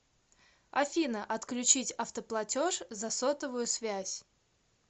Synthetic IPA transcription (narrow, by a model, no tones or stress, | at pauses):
ɐ̰fʲinəʔɐt̪klʲʉt͡ɕitʲɐft̪əplˠɐtʲoʂzɐsot̪əvʊjʊsvʲæsʲ